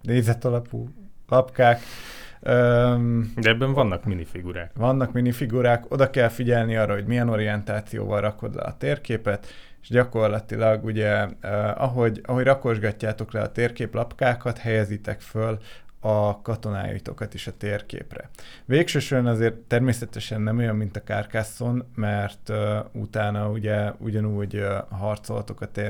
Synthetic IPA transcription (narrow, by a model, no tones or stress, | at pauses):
neːzɛt̪ɒlɒpuː | lɒpkaːk | øːd̪ɛɛbːɛɱvɒnːɒkminifiɡuɾaːkvɒnːɒkminifiɡuɾaːko̞d̪ɒkɛlfiɟɛlniɒːrːʔɒɦo̞ɟmijɛno̞ɾiɛnt̪aːt̪sijo̰ːvɒlrʔɒko̞d̪lɛ̰ɒ̰t̪eːrkeːpɛt̪ | eʃɟɒko̞rlɒt̪ilɒɡuɟɛøɒ̰ɦo̞ɟɒɦo̞ɟrɒko̞ʒɡɒcːaːt̪o̞klɛɒ̰t̪eːrkeːplɒpkaːkɒt̪hɛjɛzit̪ɛkfølɒkɒt̪o̞na̰ːjḭt̪o̞̰kɒt̪ieʃɒt̪eːrkḛːprɛ̰ | ʋeːkʃøːʃoɾɛnɒzeːrt̪ːɛrmeːsɛt̪ɛʃɛnːɛmo̞jɒmːint̪ɒkaːrkaːso̞nmɛrt̪øṵt̪aːnɒuɟɛṵɟɒnuːɟɦɒrt̪so̞lt̪o̞kɒt̪e